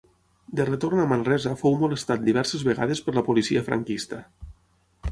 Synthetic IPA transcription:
d̪əret̪ornamanrɛzafowmolest̪at̪̚d̪iβ̞ɛɾsezβeɣaðespəɾləpolisiafɾa̰ŋkist̪a

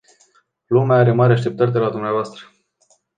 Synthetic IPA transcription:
lumeaaɾe̞maɾʲeaʃt̪e̞pt̪ərʲd̪e̞lad̪umneavoast̪ɾə

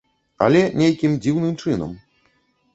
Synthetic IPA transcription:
ɐ̰lʲɛnʲejkʲimd͡zʲiwnɨmt͡ʂɨnɐ̰m

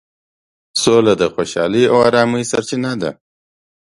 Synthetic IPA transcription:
solad̪əxoʃɑliawaɾɑmujsaɾt͡ʃinad̪a̰

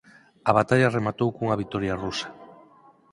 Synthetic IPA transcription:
aβat̪aʎaremat̪owkuŋaβit̪ɔɾjarusḁ

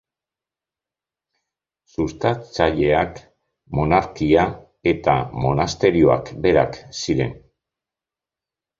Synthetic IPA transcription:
sust̪at͡saʎe̞ak | mo̞naɾkia | e̞t̪amo̞nast̪e̞ɾio̞a̰kbe̞ɾa̰ksiɾe̞̰n

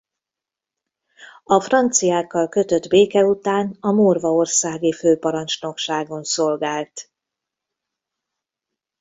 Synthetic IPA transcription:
ɒfrɒnt̪sijaːkːɒlkø̞t̪ø̞d̪beːkɛut̪aːnɒmoːrvɒo̞rsaːɡiføːpɒɾɒnt͡ʃno̞kʃaːɡonso̞lɡaːlt̪

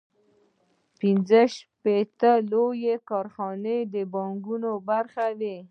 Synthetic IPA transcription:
pinzəʃpet̪əlojekɑɾxɑned̪əbɑŋɡunobaɾxawe

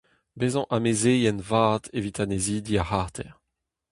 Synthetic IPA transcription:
bezɑ̃ʔamezejɛnvaːt̪evit̪ʰaneziːd̪iahaʁt̪ʰɛʁ

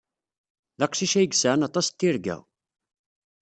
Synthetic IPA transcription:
ðæqsiʃæjɡsaʕnɑt̪ˤɑst̪ːiɾɡæ̰ʁ

